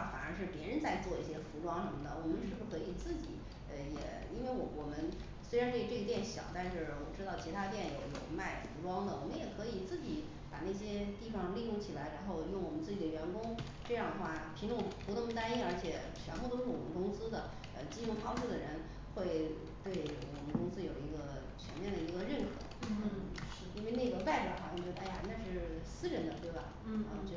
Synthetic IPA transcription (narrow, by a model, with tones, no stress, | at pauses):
fa̰˨˩nə̰˞˧˥ʂɻ̩˥˩pjɛ˧˥ɻə˧˥nt͡sa˥˧ɪt͡swɔ˥˧i˥˩ɕjɛ˥fu˧˥ʈ͡ʂwɑ˥ŋʂə˧˥mə˩nə˩wɔ˨˩mə˦nʂɻ̩˥˩ʂ̩˥˩kʰɤ˧˥i˨˩t͡sɹ̩˥˩t͡ɕḭ˨˩˦ | ə˧˩jɛ̰˨˩˦ | i˥nwe˥˩ɪwwɔ˨˩mə˦n | swe˥ɪɻa˧˥nʈ͡ʂɤ˥˩˧ʈ͡ʂɤ˥˩i˧˥jɛ˥˩nɕjɑ̰˨˩˦ʊt̪a˥˧nʂɻ̩˥˩wɔ˨˩ʈ͡ʂɻ̩˥t̪ɑ˥˩ʊt͡ɕʰi˧˥t̪ʰa˥t̪̬jɛ˥˩njo˨˧˥ʊjo˨˩ʊma˥˩ɪfu˧˥ʈ͡ʂwɑ˥ŋd̪ə˨wɔ˨˩mə˦njɛ˨˩kʰɤ˧˥i˨˩t͡sɹ̩˥˩t͡ɕi˨˩˦ | pa˨˩na˥˩ɕ̬jɛ˥t̪i˥˩fɑ˨˩ŋ˧li˥˧jʊ˥˩ŋt͡ɕʰi˨˩la˧˥ɪɻa˧˥nxo˥˧ʊjʊ˥˩ŋwɔ˨˩mə˦nt͡sɹ̩˥˩t͡ɕi˨˩d̪ə˦ɥɛ˧˥nkʊ˥ŋ | ʈ͡ʂɤ˥˧jɑ˥˩ŋd̪ə˩xwa˥˩pʰi˧˥ŋʈ͡ʂʊ˧˥˩ŋpu˧˥nə˥˩ŋm˧t̪a˥ni˥˩nə˞˧˥t͡ɕʰjɛ˨˩ | t͡ɕʰɥɛ˧˥npu˥˩t̪o˥ʂɻ̩˥˩wɔ˨˩mə̰˧nkʊ˥ŋsɹ̩˥d̪ə˨ | ə̰˧t͡ɕi˥jʊ˥˩ŋxʰɑ˥ʊʂu˥˩d̪ə˩ɻə˧˥n | xwe˥˧ɪ | t̪we˥˩ɪɔ˨˩wɔ̰˨˩mə˦nkʊ˥ŋsɹ̩˥jo˨˩lə˧i˧˥ɡə˧ | t͡ɕʰɥɛ̰˧˥nmjɛ˥˩nd̪ə˩i˧˥ɡə˧ɻə˥˩nkʰɤ̰˧˥n̩˥˩ɻ̩˥˧˩i˥nwe˥˧ɪna˥˩ɡə˩pa˥˩ɪpjɑ˨˩ʊxɑ˧˥jt͡ɕɥɛ˧˥d̪a˥˩ja˧˨˧na˥˧ɪʂɻ̩˥˩sɹ̩˥ɻə˧˥nd̪ə˧t̪we˥˩ɪba̰˨˩˧t͡ɕɛ˧˥